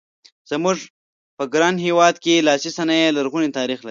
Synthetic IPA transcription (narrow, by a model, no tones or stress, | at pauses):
z̥əmʊʐ | pəɡɾɑnɦewɑd̪̚kelɑsisanajelaɾɣunet̪ɑɾixla